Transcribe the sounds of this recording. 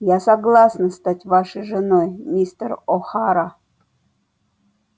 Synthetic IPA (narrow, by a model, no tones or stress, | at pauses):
jasaɡlˠasnəst̪atʲvaʂəjʐɨnojmʲist̪roxɑɾa